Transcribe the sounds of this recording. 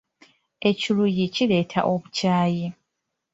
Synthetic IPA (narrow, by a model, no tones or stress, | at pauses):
e̞cilujicile̞ːtʰa̰ʔoβucaːji